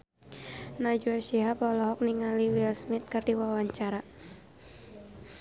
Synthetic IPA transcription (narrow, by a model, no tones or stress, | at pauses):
nad͡ʒuaʃiɦapɔlɔɦɔk̚niŋaliwilsmɪt̪̚kɨrdiwawaɲt͡ʃaɾa